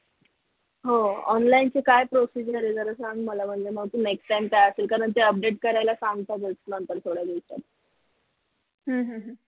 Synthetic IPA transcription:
ɦoɔ̰nlaint͡ɕekajpɾosid͡ʑəɾed͡zəɾəsaŋɡməlam̤əɳd͡zem̤əɡt̪uːneksʈːajmkajəselkaɾəɳt̪eəp̚ɖeʈkəɾajlasãŋɡt̪at̪ət͡snənt̪əɾt̪ʰoɽjaɡ̪est̪a̰t̪̚ | ɦə̃ɦə̃ɦə̃

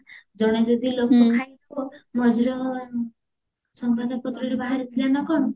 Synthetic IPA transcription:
d͡ʒɔɽ̃ed͡ʒod̪ilokɔkʰaj | omɔd͡ʒiɾɔ | sɔŋbad̪ɔpɔt̪ɾɔiɾebaɦaɾit̪ʰilanɔkɔɽ̃ɔ

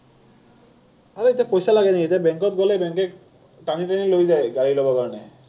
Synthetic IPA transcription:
aɹetapojsalaɡɛnekitɛbɛŋkɔt̚ɡɔlɛbɛŋkɛk | ʈaniʈanilojzajɡaɹilobɔkaɹɔnɛ

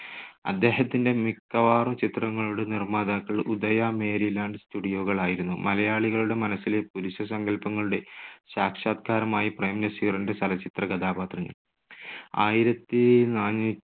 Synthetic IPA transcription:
ɐ̰d̪ːe̞ːɦɐt̪ːinde̞mikːɐʋaːrumt͡ɕit̪rɐŋːɐɭuɽenirmaːd̪aːkːɐɭud̪ɐjaːme̞ːɾilaːɳɖstuɽijo̞ːɣɐɭaːjiɾunːumɐlɐjaːɭiɣɐɭuɽe̞mɐnɐsːile̞puɾuɕɐsɐŋɡɐlpɐŋːɐɭuɽe̞ɕaːkʂaːt̪̚kʰaːɾɐmaːjiprɐjmnɐsirɐndesɐlɐt͡ɕit̪rɐɡɐd̪aːbaːt̪rɐɲːɐ̰ɭ | aːjiɾɐt̪ːinaːɲːi

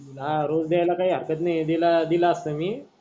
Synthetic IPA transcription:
aɾod͡zd̪ejajlakaɦiːɦəɾkət̪najd̪ilad̪ilaəst̪əmiː

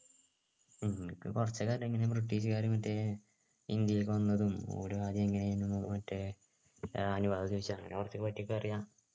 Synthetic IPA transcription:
kkurɐt͡ɕːɐkaːɾɐmiŋːɐnebrɨʈːiːɕɨkaːɾjɐmɐtːe | ind̪jɐjilkɨʋɐnːɐðumo̰ːɾuaːd̪jɐmiŋːɐneenːumːoðɐmɐtːe | ɐnuʋaːd̪ɐt̪iʋt͡ɕːaŋːɐ̰nekurɐt͡ɕːɐkːɨpɐtːiokːɨɐrijaːm

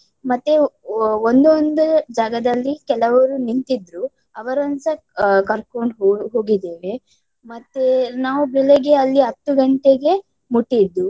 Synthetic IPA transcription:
mɐt̪ːeond̪ond̪ud͡ʒaːɡɐd̪ɐlːikɛlɐʋɐɾunint̪id̪ɾu | ɐʋɐɾɐnsɐ | kɐɾkoɳɖɦoːɡid̪eːʋe̞ | mɐt̪ːenaːʋubileɡe̞ɐlːiɦɐt̪ːuɡɐɳʈeɡe̞ | muʈːid̪ːu

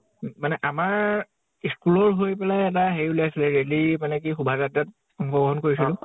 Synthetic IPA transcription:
manɛʔamaɹ | iskulɔɹɦojpɛlajɛt̬aɦejuleasilɛɹelimanɛk̬ixubʱazatat̚ | ɔŋxɔbɔɦɔnkoɹis̬ilʊ̃

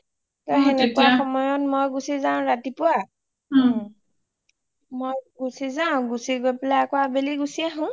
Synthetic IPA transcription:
tɔenɛkuwaxɔmɔjɔt̚mojɡusizaʊ̃ɹatipʊa | mojɡusizaʊ̃ɡusiɡojpɛlaakɔabeliɡusiaɦʊ̃

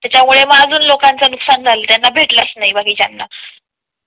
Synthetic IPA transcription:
t̪jat͡ɕjamuɭemaəd͡zʱuːnlokant͡sanuksand͡zʱalət̪janːabʱeʈləsnaibakiːd͡ʑjanːa̰

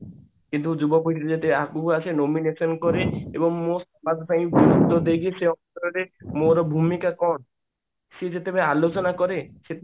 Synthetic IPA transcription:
kint̪ud͡ʒubɔpuiʈʰiɾed͡ʒet̪ebeakuasʰenominesɔnkɔɾeebɔŋmosɔmad͡ʒt̪ʰaĩbid̪ɔd̪eɡiseɔnt̪ɾɔɾemoɾɔbʱumikakɔn | sed͡ʒet̪ebeealot͡ʃɔnakɔɾese

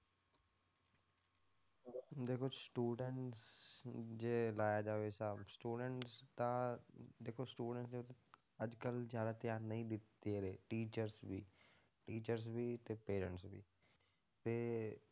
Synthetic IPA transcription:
d̪eːkʰoːsʈuːɖəɳʈs | d͡ʒeːlaːjaːd͡ʒaːʋeːsaːbsʈuːɖəɳʈst̪ãd̪eːkʰoːsʈuːɖəɳʈsd̪eʊt̪ː | əd͡ʒkəlzjaːd̪aːt̪jaːɾnəĩːd̪ɪt̪ːeːɾeːʈiːt͡ʃəɾsbḭː | ʈiːt͡ʃəɾs̬biːt̪eːpeːɾə̃ɳʈsbḭː | t̪eː

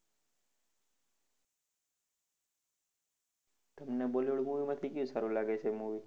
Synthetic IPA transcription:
t̪əmneboloɭmuʋimãt̪ʰikjũsaɾũlaɡet͡ʃʰemuʋi

